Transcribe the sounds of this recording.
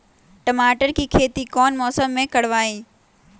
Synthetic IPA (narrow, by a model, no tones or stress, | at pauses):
ʈɐmaːʈəɾkiːkʰeːt̪ikɔːnmɔːsəmːẽkɐɽʋaːiː